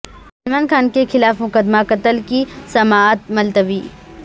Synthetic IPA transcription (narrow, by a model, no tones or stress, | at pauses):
ɐlmaːnkʰaːnkexɪlaːfmʊkəd̪makɐt̪əlkisɐmaːt̪̚mɐlt̪əʋiː